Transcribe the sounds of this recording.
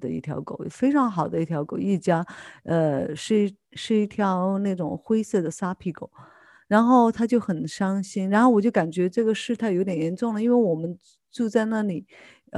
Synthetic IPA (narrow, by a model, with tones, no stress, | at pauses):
d̪ə˧ḭ˥˩t̪ʰjɑ̰˧˥ʊko˨˩˦ʊfe˥ɪʈ͡ʂʰɑ˧˥ŋxɑ˨˩ʊd̪ə˦i˥˩jɑ˧˥ʊko˨˩˦ʊi˥˩t͡ɕja˥ə˧ʂ̩˥˧˥ | ʂɻ̩˥˧i˥˩t̪ʰjɑ˧˥ʊna˥˩ʈ͡ʂʊ̰˨˩ŋxwe˥ɪsɤ˥˩d̪ə˩sa˥pʰi˧˩ko˨˩˦ʊ | ɻa˧˥nxo˥˩ʊt̪ʰa˥t͡ɕjo˥˩ʊxə˨˩nʂɑ˥ŋɕi˥nɻa˧˥nxo˥˩wɔ˨˩t͡ɕjo˥˩ʊka˨˩nt͡ɕɥɛ˧˥ʈ͡ʂɤ˥˩ɡə˩ʂɻ̩˥˩t̪ʰa˥˩jo˧˥jɛ˨˩njɛ˧˥nʈ͡ʂʊ˥˩ŋlə˩i˥nwe˥˩ɪwɔ˨˩mə˦n | ʈ͡ʂu˥˧t͡sa˥˧ɪna˥˩li˨˩˦